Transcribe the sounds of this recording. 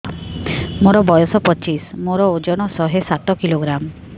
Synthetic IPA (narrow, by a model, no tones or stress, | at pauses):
moɾɔbɔjɔsɔpɔt͡ʃismoɾɔod͡ʒɔɽ̃ɔsɔɦesat̪ɔkiloɡɾamɔ